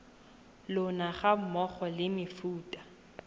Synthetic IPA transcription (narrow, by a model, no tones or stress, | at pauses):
lʊnaχamɔχɔlɪmɪfuːtʼḁ